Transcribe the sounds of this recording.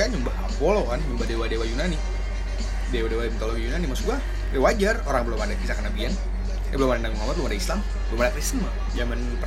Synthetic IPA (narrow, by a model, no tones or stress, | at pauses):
aɲumbahapolokanməmbadewadewajunani | dewadewat̪olowijunanimasuɡua | ewad͡ʒaroɾaŋbəlomadakisakanabian | jbəlomadanabimamat̪̚lumadaislam | bəlomadakɾist̪ənma | d͡ʒamanp